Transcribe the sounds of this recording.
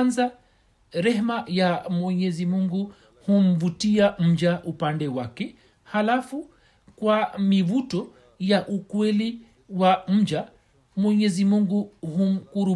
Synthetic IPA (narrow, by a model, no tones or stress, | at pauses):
nza | ɾɛɦmajamwɛɲɛzimuŋɡu | hum̩vutiam̩d͡ʒaʔupandɛwakɛ | halafu | kwamivutɔ | jaʔukwɛli | wam̩d͡ʒa | mwɛɲɛzimuŋɡuhum̩kuɾu